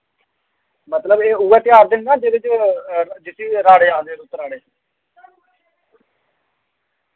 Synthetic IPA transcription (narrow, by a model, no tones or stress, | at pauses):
mət̪ləbeːuːɛːt̪jaːɾd̪ɪnnãːd͡ʒeːɾɪt͡ʃ | d͡ʒɪsʰiːɾaːɽeːãːnd̪eːɾʊt̪ɾaːɽeː